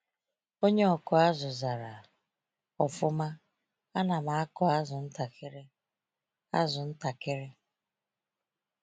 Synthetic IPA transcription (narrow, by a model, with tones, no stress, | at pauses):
o˦ɲe˦ɔ˨kʊ˦a˦zʊ˨za˨ɾa˨ | ɔ˨fʊ˦ma˦ | a˦na˨ma˨a˦kɔ˦a˦zʊ˨n̩˦ta˨ke˦ɾe˦ | a˦zʊ˨n̩˦ta˨ke˦ɾe˦